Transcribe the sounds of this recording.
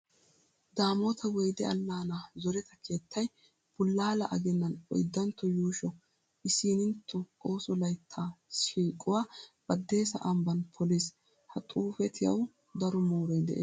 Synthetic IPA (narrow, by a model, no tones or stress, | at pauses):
d̪aːmɔt̪ʰɐwɔjd̪ɛɐlːaːnaːzɔɾɛt̪ɐkʰeːt̪ʰːɐj | b̥ʊlːaːlɐʔɐɡɛnːɐnɔ̰jd̪ːɐnt̪ːɔjuːʃɔ | ʔɪsiːnɪnt̪ʰːɔo̞ːsɔlɐjt̪ʰːaːʃiːkʼʊwaːb̥ɐd̪ːe̞ːsɐ̰ʔɐmbɐnpʰɔleːs | hɐt̪ʼuːfɛt̪ʰɪjɐ̰w | d̪ɐɾɔmoːɾɔjd̪ɛ̰ʔeː